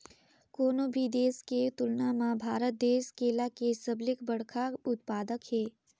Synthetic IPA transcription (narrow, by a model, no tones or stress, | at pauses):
koːnobʱid̪eːsket̪ʊlnamãbʱaːɾət̪̚d̪eːskeːlakesəblɪkbəɽkʰaʊt̪paːd̪əkɦeː